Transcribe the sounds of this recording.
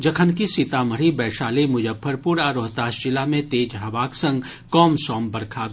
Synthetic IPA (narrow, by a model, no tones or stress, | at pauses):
d͡ʒɐkʰənkisɪt̪aːməɾibɛːʃaːlemʊd͡ʒəbʰːəɾpuːɾaːɾoːɦt̪aːʃd͡ʒɪlamẽt̪eːd͡ʒɦɐʋaːksɐ̃ŋɡ | kɔːmsɔːmbɐɾkʰaːb